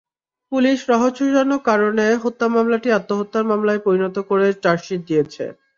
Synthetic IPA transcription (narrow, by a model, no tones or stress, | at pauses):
puliʃɾɔɦoʃuanokaɾoneɦot̪ːamamlaʈiat̪ːoɦot̪ːaɾmamlaepoɾinot̪okoɾet͡ɕaɾʃit̪̚d̪ijet͡ɕʰḛ